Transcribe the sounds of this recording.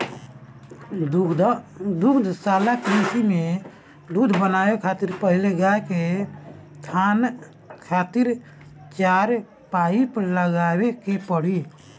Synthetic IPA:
d̪ukʰd̪ʱsaːlakɾisime | d̪ud̪ʱbənaːekʰaːt̪iɾpəɦɪleɡaeke | t̪ʰan | kʰaːt̪iɾ | t͡ʃaɾ | paːipəɾləɡaːwekepəɽi

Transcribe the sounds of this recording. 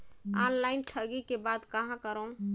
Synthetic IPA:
anlaɪnʈʰəɡikebad̪kaɦãkəɾəũ

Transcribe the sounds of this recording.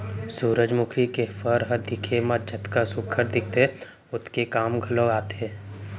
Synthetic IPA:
suːɾəd͡ʒmʊkʰikefəɾɦəd̪ikʰeməd͡ʒʱət̪kasʊkʰəɾd̪ɪk̚ʰt̪e | ʊt̪ʰkekaːmɡʱəloaːt̪eː

